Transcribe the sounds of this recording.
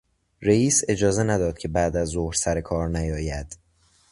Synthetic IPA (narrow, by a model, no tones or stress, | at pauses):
ɾeiːse̞d͡ʒɒːze̞næd̪ɒːd̪̥̚cʲʰe̞bæːd̪æzːohɾsæɾe̞kʰɒːɾnæjɒːjæd̪̥